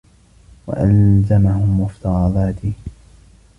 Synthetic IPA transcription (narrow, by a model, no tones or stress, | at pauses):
wa̰ʔalzamahʊmːʊft̪ɑɾˤɑðˤɑːt̪ɪ